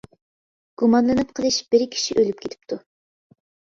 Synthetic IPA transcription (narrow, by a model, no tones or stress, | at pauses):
ɡ̥umɑnlˠɨnɨp̚qʰəlˠɨʃb̥ɪɾkʲʰi̥ʃiʔølyp̚kʰʲet̪ʰɪ̥p̚t̪ʰu